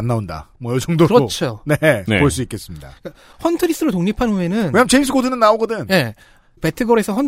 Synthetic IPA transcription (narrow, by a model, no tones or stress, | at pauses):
nːaonda̰mwʌjʌd͡ʑʌŋdokɯɾʌt͡ɕʰone̞poɭs͈uik͈e̞s͈ɯmɲida̰ka | hʌntʰɯɾis͈ʰɯɾotoŋɲipʰanuenɯnkeɲamt͡ɕe̞imsʰɯ̥kʰodʰɯnɯnːaoɡʌdɯnje̞ | pe̞tʰɯɡʌɾe̞sʰʌɸʌn